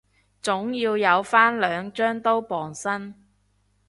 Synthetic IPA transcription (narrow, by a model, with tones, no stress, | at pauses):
t͡sʊ˨˥ŋjiː˧wjɐ˨˧wfaː˥nlœː˨˧ŋt͡ʃœː˥ŋt̪o˥wpɔː˨ŋsɐ˥n